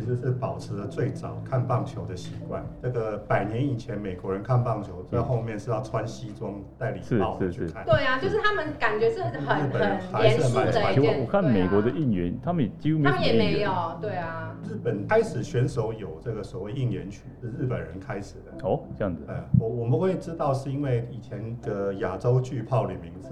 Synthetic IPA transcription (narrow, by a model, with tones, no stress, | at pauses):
i˧˥ʂɻ̩˧ʂɻ̩˥˩pɑ˨˩ʊʈ͡ʂʰɻ̩˧˥lə˧t͡swe˥˩ɪt͡sɑ˨˩ʊkʰa˥˧npɑ˥˩ŋt͡ɕʰjo˧˥ʊd̪ə˨ɕi˧˥kwa̰˥˨nʈ͡ʂɤ˥˩ɡə˩pa˨˩ɪnjɛ˧˦ni˨˩t͡ɕʰjɛ˧˦nme˨˩ɪkwɔ˧˥ɻə˧˦nkʰa˥˧npɑ˥˩ŋt͡ɕʰjo˧˥ʊt͡sa˥˧xo˥˧ʊmjɛ˥˧nʈ͡ʂɻ̩˥˧t̪ɑ˥˩ʊʈ͡ʂʰwa˦˥nɕi˥t͡sʊ˦˥ŋt̪a˥˩ɪlḭ˨˩˥ɑ˥˧ʊ˨˥˧t͡ɕʰy˥˩kʰa˥˨nt̪we˥˩a˩t͡ɕjo˥˧ʊʂɻ̩˥˩t̪ʰa˥mə˨nka˨˩nt͡ɕɥɛ˧˥ʂɻ̩˥˩˧ə˨ɻ̩˦˥˩pə˨n˦˧˦xa˧˥ɪʂɻ̩˥˩˨ma˥˧˦ɔ˨kʰa˥˩nme˨˩ɪkwɔ˧˥d̪ə˧i˥˩ŋɥɛ˧˦nt̪ʰa˥mə˨njɛ˩t͡ɕi˥xu˥me˥˦˥jɛ˨˩me˧˦ɪjo˨˩ʊt̪we˥˩ɪa˩ɻ̩˥˩pə˨˩nkʰa˥ɪʂɻ̩˨˩ɕɥɛ˧˥nʂo˧˥ʊjo˨˩ʊʈ͡ʂɤ˥˩ɡə˩swɔ˨˩we˥˧ɪi˥˩njɛ̰˧˦nt͡ɕʰy˥˩ʂ̩˥˧ɻ̩˥˩pə˨˩nɻə˧˦nkʰa˦˥ɪʂɻ̩˨˩d̪ə˦o˧˦ɤ˥˧jɑ˥˩ŋd͡zə˥˩wɔ˨˦wɔ˨˩mə˨nxwe˥˩ɪʈ͡ʂɻ̩˥t̪ɑ˥˧ʊʂɻ̩˥˩i˥nwe˥˩ɪi˨˩t͡ɕʰjɛ˧˦nd̪̥ə˧ja˨˩ʈ͡ʂo˥ʊt͡ɕy˥˧pʰɑ˥˩ʊly̰˨˩mi˧˥ŋt͡s̩˨˩